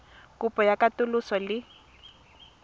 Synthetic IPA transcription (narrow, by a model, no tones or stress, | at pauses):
kupɔjakat̪ʊlʊsɔli